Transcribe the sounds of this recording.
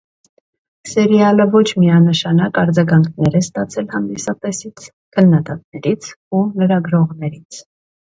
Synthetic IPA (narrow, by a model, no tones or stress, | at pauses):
sɛɾjɑləvɔt͡ʃʰmiɑnəʃɑnɑkɑɾd͡zɑɡɑŋkʰnɛɾɛst̪ɑt͡sʰɛlhɑnd̪isɑt̪ɛsit͡sʰ | kʰənːɑd̪ɑt̪̚nɛɾit͡sʰ | uləɾɑɡɾɔʁnɛɾit͡sʰ